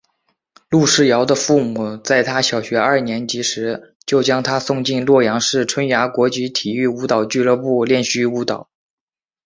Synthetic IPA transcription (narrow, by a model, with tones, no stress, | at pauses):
lu˥˧ʂɻ̩˥˩jɑ˧˥ʊd̪ə˧fu˥˧mu˨˩t͡sa˥˩ɪt̪ʰa˥ɕjɑ˨˩ʊɕɥɛ˧˥ɐ˞˥˩njɛ˧˥nt͡ɕi˧˥ʂɻ̩˧˥ | t͡ɕjo˥˩ʊt͡ɕjɑ˥ŋt̪ʰa˥sʊ˥˧ŋt͡ɕi˥˧nlwɔ˥˩jɑ˧˥ŋʂɻ̩˥˩ʈ͡ʂʰwə˥nja˧˥kwɔ˧˥t͡ɕi˧˥t̪ʰi˨˩y˥˩u˧˥t̪ɑ˨˩ʊt͡ɕy˥˧lɤ˥˧pu˥˧ljɛ˥˧nɕy˥u˧˥t̪ɑ˨˩˦ʊ